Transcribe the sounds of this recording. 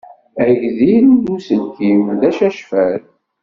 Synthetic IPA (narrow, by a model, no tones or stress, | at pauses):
æʝðiɾuðusənkimðæʃæʃfæɾ